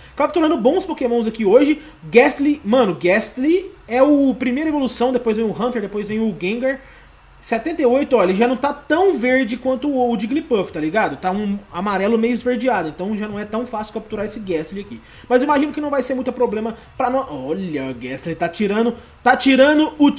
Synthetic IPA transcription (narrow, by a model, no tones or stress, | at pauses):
kap̚t̪uɾɐ̃nd̪ʊbõw̃spokemɐ̃w̃zakioʒɪ | ɡɛst̪limɐ̃nʊɡɛst̪liɛʊpɾimejɾɐevolusɐ̃w̃d̪epojzvẽj̃ʊɦɐ̃p̪eɾd̪epojzvẽj̃ʊɡẽɡeɾ | sɛt̪ẽnt̪ejojt̪ʊɔʎɐʒanɐ̃w̃t̪at̪ɐ̃w̃veɾd͡ʒɪkwɐ̃nt̪ʊːd͡ʒɪɡlipoft̪aliɡad̪ʊt̪aũamaɾɛlʊmejʊɪzveɾd͡ʒiad̪ʊẽnt̪ɐ̃w̃ʒanɐ̃w̃ɛt̪ɐ̃w̃fasɪʊ̥kap̚t̪uɾaesɪɡɛst̪liɪaki | mɐziimaʒĩnʊkɪnɐ̃w̃vajseɾmũj̃t̪ʊpɾoblẽmɐ | pɾɐnɔʔɔʎɐɡɛst̪lit̪at͡ʃiɾɐ̃d̪ʊ | t̪at͡ʃiɾɐ̃d̪ʊʊ